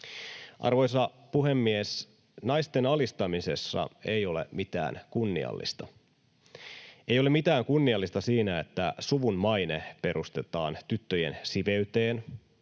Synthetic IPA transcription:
ʔɑ̰rʋojsɑ | puɦe̞mːies | nɑjst̪e̞nɑlist̪ɑmise̞̰sːɑ̰e̞jo̞lḛmit̪æ̰ːnkunːḭɑ̰lːḭst̪ɑ | ejole̞mit̪æːŋkunːiɑlːist̪ɑsiːnæet̪ːæsuʋunmɑjnepe̞ɾust̪e̞t̪ɑ̰ːnt̪yt̪ːøjḛnsiʋe̞yt̪eːn

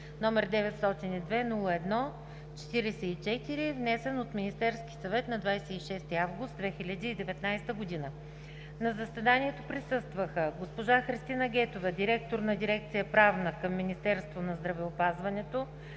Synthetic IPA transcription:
nɔmɛɾd̪ɛvɛt̪st̪ɔt̪inid̪vɛnulˠəɛd̪nɔ | t͡ʃɛ̥t̪iɾɛsɛit͡ʃɛt̪iɾivnɛsɛnot̪mʲinist̪ɛɾskisɐvɛt̪nɐd̪vajsɛiʃɛst̪iavɡʊst̪d̪vɛxʲilʲəd̪iːd̪ɛvɛt̪najst̪əɡod̪inə | nɐzəsvɛd̪anʲiɛt̪opɾisɤst̪vəxəɡospoʒaxɾist̪inəɡʲɛt̪ovəd̪iɾɛk̚t̪oɾnɐd̪iɾɛk̚t̪sijəpɾavnəkəmːinist̪ɛɾst̪vonɐzd̪ɾɐvɛopazvɐnɛt̪o

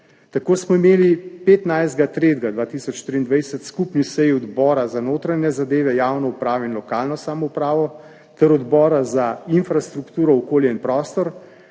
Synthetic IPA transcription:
t̪akoːsmɔimeːlipet̪najzd̪ɡat̪ɾeːd̪ɡad̪ʋaːt̪isɔt͡ʃʃt̪ɾiːnd̪ʋajsɛt̪skupnisɛjiɔd̪bɔːɾazanoːt̪ɾanɛzad̪eːʋɛjaːwnɔupɾaːʋɔinlɔkaːlnɔsaːmɔupɾaːʋɔ | t̪ɛɾɔd̪bɔːɾazainfɾast̪ɾukt̪uːɾɔɔkoːljɛinpɾɔːst̪ɔɾ

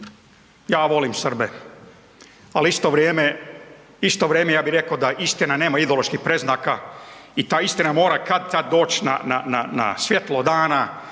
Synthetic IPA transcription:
jaːʋo̞limsrbe | aliist̪oʋɾeːme | ist̪oʋɾjeːmejaːbiɾe̞kod̪aʔist̪inane̞ːmaid̪oloʃkixpɾe̞znaːkait̪aːist̪inamo̞ːɾakad̪̚t̪ad̪̚ːo̞ːt͡ɕna̰na̰na̰na̰sʋje̞t̪lod̪aːna

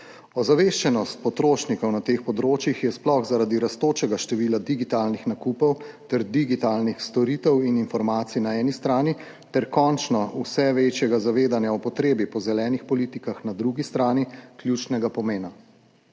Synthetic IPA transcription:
ɔzaʋeʃt͡ʃɛnɔst̪̚pɔt̪ɾoːʃnikɔwnat̪eːxpɔd̪ɾoːt͡ʃjixjɛsplɔxzaɾad̪iɾast̪oːt͡ʃɛɡaʃt̪ɛʋiːlad̪iɡit̪aːlnixnakuːpɔwt̪ɛɾd̪iɡit̪aːlnixst̪ɔɾiːt̪ɛwininfɔɾmaːt̪sinaɛːnist̪ɾaːni | t̪ɛɾkɔnt͡ʃnɔusɛʋet͡ʃjɛɡazaʋeːd̪anjaɔpɔt̪ɾeːbipɔzɛlɛːnixpɔliːt̪ikaxnad̪ɾuɡist̪ɾaːniklʲjuːt͡ʃnɛɡapɔmeːna

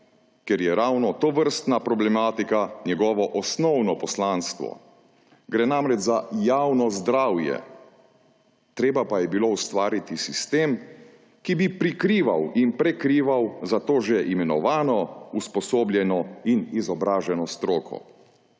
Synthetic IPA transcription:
kjɛɾjɛɾaːwnɔt̪oʋəɾst̪napɾɔblɛmaːt̪ikanjɛɡɔːʋɔʔɔsnɔwnɔpɔslaːnst̪ʋɔ̰ | ɡɾɛnaːmɾɛd͡ʒzajaːwnɔzd̪ɾaːwjɛ̰ | t̪ɾeːbapajɛbiloust̪ʋaːɾit̪isist̪eːm | kibipɾikɾiːʋa̰winpɾɛkɾiːʋawzat̪oːʒɛʔimɛnɔʋaːnɔuspɔsoːbljɛnɔinizɔbɾaːʒɛnɔst̪ɾoːkʰɔ̰

